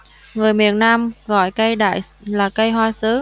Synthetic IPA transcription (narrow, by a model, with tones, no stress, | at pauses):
ŋɨ˨˩əjmḭ˧˨ənnaː˧mɣɔ̰˧˨jkə˧jɗa̰ː˧˨jlaː˨˩kə˧jɦwaː˧sɨ˨˦